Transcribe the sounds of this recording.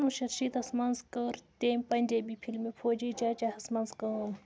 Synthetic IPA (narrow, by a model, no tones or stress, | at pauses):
nũʃɐɾʃiːt̪ɐsmɐnzkəɾt̪emʲpɐnʲdebipʰilmipʰoːd͡ʒiːt͡ʃaːt͡ʃahɐsmɐnzkəm